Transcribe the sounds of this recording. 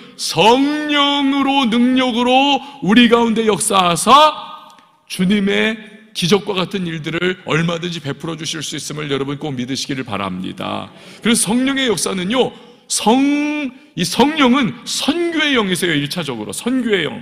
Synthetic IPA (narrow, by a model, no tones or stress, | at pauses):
sʰʌŋɲʌŋɯɾonɯŋɲʌɡɯɾouɾiɡaunde̞jʌk̚s͈aɦasʰa | t͡ɕuɲime̞kid͡ʑʌk̚k͈waɣatʰɯniɭdɯɾɯɭʌɭmadɯnd͡ʑipe̞pʰɯɾʌd͡ʑuɕʰiɭs͈uis͈ɯmɯɭjʌɾʌbunk͈omidɯɕʰiɡiɾɯɭpa̰ɾa̰mɲḭda̰ | kɯɾe̞sʰʌsʰʌŋɲʌŋe̞jʌk̚s͈anɯnjo | sʰʌŋ | isʰʌŋɲʌŋɯnsʰʌnɡʲjoe̞jʌŋesʰʌjoiɭt͡ɕʰad͡ʑʌɡɯɾo̰sʰʌnɡjoejʌ̰ŋ